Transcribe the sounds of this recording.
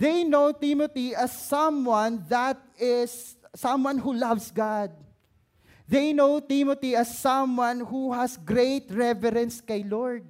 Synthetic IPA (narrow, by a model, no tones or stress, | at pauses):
ðejnowt̪imɔt̪iɐsːʌ̃mwãnðɐt̪̚ɪsːʌ̃mwãnɦulʌvsɡɑd̪̚ | ðejnowt̪imɔt̪iɐsːʌ̃mwãnhuhɐsɡɾet̪ɹɛvɛɾɛ̃nskɐjlɔɹd̪̚